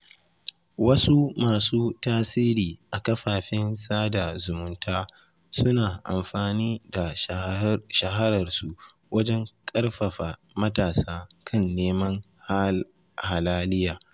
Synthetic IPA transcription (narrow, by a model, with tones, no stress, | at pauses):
wɐ˦su˦maː˨suː˦taː˦siː˦ɾiː˨ʔa˨kɐ˦ɸaː˨ɸɪ˦nsaː˦da˨zʊ˨mʊ˦ntaː˦ | sʊ˦naː˨ʔa̰˨mɸaː˨niː˦da˨ | ʃɐ˨ɦɐ˦ɾɐ˨rsu˨ʔ | wɐ˦d͡ʒɛ˦ŋkʼɐ˦rɸɐ˨ɸa˨ | mɐ˦taː˨saː˦kʰɐ˦˨nːeː˦mɐ˦ŋ | ha˨laː˦lɪ˦jaː˨